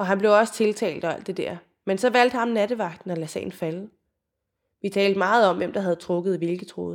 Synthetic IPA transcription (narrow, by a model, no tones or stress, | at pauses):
ɒ̽ɦænb̥le̝ʊɒ̽sə̥t͡sʰe̝lt͡sʰɛ̰ːld̥ɒæl̰d̥e̝d̥æɐ̰ | mensɒ̽ʋæl̰d̥hɑ̈mnæd̥əʋɑ̈ɡ̥̚d̥n̩ɒ̽læsɛ̰ːn̩fæl | ʋit͡sʰɛ̰ːld̥əmɑ̈ːð̞̩ˠɒ̽mʋem̰d̥ɑ̈ɦæð̞̩ˠt͡sʰʁɔ̽ɡ̥ð̩ˠiʋelɡ̥t͡sʰʁo̝̰ːð̩ˠ